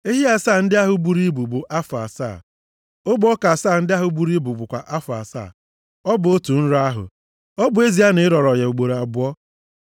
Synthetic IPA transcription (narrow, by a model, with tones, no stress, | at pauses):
e˦ɦi˦a˦saː˦˨n̩˦dɪ˦a˦ɦʊ˨bu˨ɾi˦bu˨bʊ˨ʔa˦fʊ˨a̰˨sa̰ː˦˨ | o˦bʊ˦ɔ˦ka˨saː˦˨n̩˦dɪ˦a˦ɦʊ˨bu˦ɾi˦bu˨bʊ˨kʷa˨ʔa˦fa̰˨sa̰˦˨ | ɔ˦bʊ˨o˦tu˨n̩˦ɾa˦ɦʊ̰˨ | ɔ˦bʊ˨˦e˦zi˦a˦ne˨˦ɾɔ˨ɾɔ˨je˨u˨ɡ͡bo˨ɾa˨ɡ͡bʊ˦ɔ˦